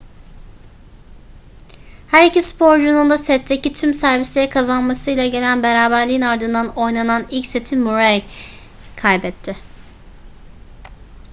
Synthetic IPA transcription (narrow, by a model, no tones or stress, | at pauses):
hæɾicispʰo̞ɾd͡ʒunund̪asɛt̪ʰːecit̪ʰymsæɾvislʲe̞ɾikʰazanmasɯjlʲˠaɟe̞lʲænbeɾaːbæɾlʲijinaɾd̪ɯnd̪ano̞jnananilʲcse̞t̪ʰimuɾaj | kʰajbɛt̪ʰːɪ